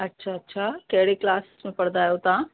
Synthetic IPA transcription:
ətːʃʰaətːʃʰakɛɽiklassmẽpəɽd̪ajot̪ã

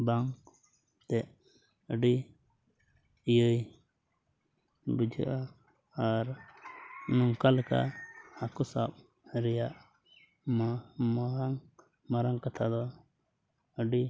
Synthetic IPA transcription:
baŋ | t̪ɛʔ | əɖi | ijəj | bud͡ʒʱə̰ʔa | aɾ | nɔŋkalka̰akusa̰p̚ | ɾɛjaʔ | mmaaŋ | maɾaŋkat̪ʰad̪ɔ | əɖi

